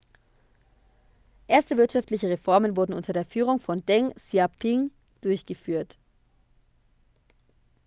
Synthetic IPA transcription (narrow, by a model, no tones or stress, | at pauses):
ʔeːɐstəvɪɐtʃaftlɪçəʁefɔɐmənvʊɐdn̩ʔʊntɐdeːɐfyːʁ̞ʊŋfɔndɛŋsjapʰɪŋ | d̥ʊɐçɡ̥əfyːɐt